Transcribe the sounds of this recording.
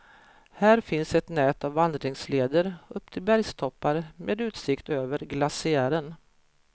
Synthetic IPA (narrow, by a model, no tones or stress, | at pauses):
hæːɾfɪnsɛt̪nɛːt̪avːand̪ɾɪŋsleːd̪əɾɵpːt̪ʰɪlbæɾjst̪ʰɔpːaɾmʔḛːd̪ʉ̟ːt̪sɪkt̪øːvəɾɡlasɪæːɾən